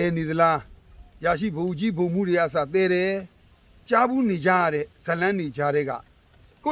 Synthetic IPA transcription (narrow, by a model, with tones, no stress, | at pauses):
ɛ˨ne˨d̪ə˨la˦ja˨ʃḭ˦˨bə˨u˨t͡ɕi˦bõ˨m̥ṵ˦˨de˨a˦˨s̬a˨t̪̬ɛ˦ɾɛ˨ | t͡ɕa˦bu˦˨ne˨d͡ʑa̰˦˨a˦˨ɾɛ˦˨z̥ə˨lã˦ne˨d͡ʑa˦ɾɛ˦ɡa̰˦˨ | ko˦˨